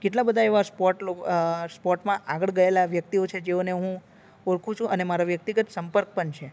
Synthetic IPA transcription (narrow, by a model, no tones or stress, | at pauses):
keʈlabəd̪ʱaeʋaspɔʈlospɔʈmãʔaɡəɭɡəelaʋjək̚t̪iot͡ʃʰed͡ʒeoneɦũ | oɾkʰũt͡ʃʰũʔənemaɾaʋjək̚t̪iɡət̪səmpəɾk̚pəɳt͡ʃʰe